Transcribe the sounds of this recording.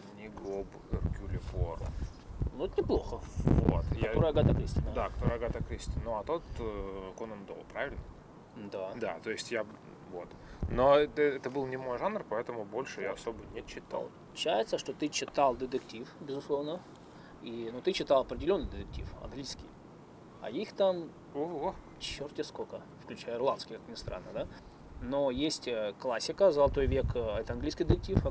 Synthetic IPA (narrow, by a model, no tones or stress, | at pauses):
nʲɪɡob | ɛrkʲulʲɪfor̰ | noɛt̪nʲɪplˠo̞xəvo̰t̪jkɐaoɾəjəɡat̪əkɾʲisʲt̪ʲɪnəd̪akɐ̥t̪oɾəjəɡat̪ɐkɾʲisʲt̪ʲɪnnoɐt̪o̞t̪konənd̪olˠpɾavʲɪlʲnə | d̪ad̪a̰t̪o̞ɪsʲtʲja | vo̞t̪ | noɛɛt̪əbɨlˠnʲɪmo̞jʐanrpɐɛt̪əmʊbolʲʂɨjaɐsobənʲɪt͡ɕːɪt̪a̰lˠp̪ˠ | ʊt͡ɕːæjɪt̪səʂt̪o̞t̪ɨt͡ɕːɪt̪alˠd̪ʲɪt̪ʲɪktʲifbʲɪzʊslˠo̞vnə | inut̪ɨt͡ɕːɪt̪ɑlˠɐpɾʲɪdʲɪlʲo̞nːɨjd̪ʲɪt̪ɪk̚tʲḭfɐ̰nɡlʲijskʲɪ̰j | ɐ̰ixt̪am | oɦo | t͡ɕːortʲɪskokə | fklʲʉt͡ɕæjəɪrlˠanskʲɪjkḁknʲɪst̪ɾa̰nːəd̪a | nojesʲtʲəklˠasʲːɪkəzəlˠɐt̪o̞jvʲekɐɛt̪əɐnɡlʲijskʲijd̪ʲɪt̪ɪk̚ʲtʲif